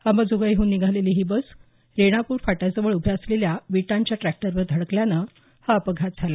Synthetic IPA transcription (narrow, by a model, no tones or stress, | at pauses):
haməd͡zoɡaiɦuːnːiɡʱaleliːɦiːbəs | ɾeɽ̃apuːɾfaʈat͡səʋəɭubʱeəsleljaʋiʈãɲt͡ɕjaʈɾæk̚ʈəɾʋəɾd̪ʱəɽəkljanə | haəpəɡʱat̪̚d͡zʱala